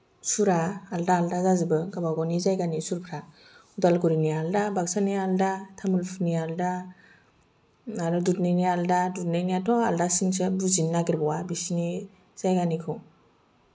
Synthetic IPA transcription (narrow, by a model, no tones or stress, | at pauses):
suɾaːldaːldazazɯbɯɡabawɡɔnizajɡanisuɾpʰɾa | udalɡuɾinialdabaksanialdatʰamulpʰnialda | aɾudutnajnialdadut̚najniatʰɔaldasinsɯbuzinːaɡiɾbɔwabisini | z̥ajɡanikʰɔ